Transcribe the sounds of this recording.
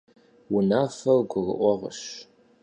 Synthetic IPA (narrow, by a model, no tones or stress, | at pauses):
wʊnaːfɐrɡʷʊʁə̰ʔʷɔʁə̰ɕ